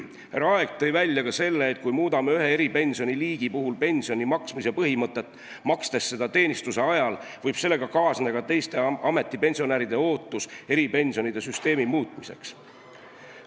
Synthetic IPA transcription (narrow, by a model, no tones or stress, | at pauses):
hæɾɑɑe̞ɡ̥̚t̪ːɤ̞jvælʲːjɑkɑse̞lːeːt̪̚kujmuːd̪ɑmeyɦe̞eɾipe̞nʲsio̞niliːɡ̥ipuɦulpe̞nʲsio̞nimɑksmisepɤɦimɤt̪ˑːe̞t̪ːˑ | mɑkst̪e̞sːe̞d̪ɑt̪e̞ːnist̪use̞ɑjɑlvɤjb̥se̞lːe̞ɡ̥ɑkɑːsnɑɡɑt̪e̞jst̪e̞ɑme̞t̪ˑːipe̞nʲsio̞næɾid̪e̞o̞ːt̪ːˑuse̞ɾipe̞nʲsio̞nid̪̥e̞syst̪e̞ːmimuːt̪ːˑmise̞̰ks